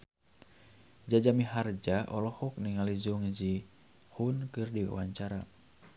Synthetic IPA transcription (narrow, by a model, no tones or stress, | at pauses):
d͡ʒad͡ʒamiɦard͡ʒaʔɔlɔhɔk̚niŋalid͡ʒuŋd͡ʒi | hunkɨrdiwa̰waɲt͡ʃaɾa